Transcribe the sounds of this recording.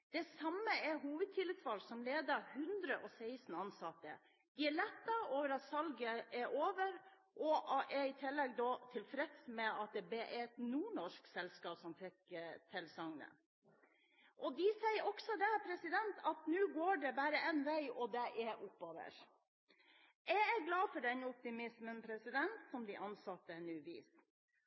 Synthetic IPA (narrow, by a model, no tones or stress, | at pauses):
d̪̥ɛsɑmːəɛɦuːʋəd̪̚t̪ʰɪlːɪt̪sʋɑlsɔmleːd̪ɑhʉnd̪ɾəʔɔsæɪsn̩ɑnsɑt̪ːə̰ | d̪̥ɪæɭɛt̪ːəoːʋəɾɑt̪sɑlɡəɛɾʔoːʋəɾ | ʔɔʔʔɛɪt̪ʰɪlːɛɡd̪ɔːt̪ʰɪlfɾɛd̪smɛɑt̪̚d̪ɛbeʔɛt̪nuːɳɔʂksɛlskɑːpsɔmfɛkt̪ʰɪlsɑŋnə̰ | ʔɔd̪ɪsæɪəɾɔksɔd̪æpʰɾɛsɪd̪ɛnt̪ʰɑt̪nʉːɡoːɖɛbæːɾəʔɛnʋæɪʔɔd̪ɛʔɛʔʊpːoːʋə̰ɾ | jæɪæɡlɑːfɔɖɛnɔp̚t̪ɪmɪsmənpʰɾɛsɪd̪ɛnt̪sɔmd̪ɪʔɑnsɑt̪ːənʉːʋḭːs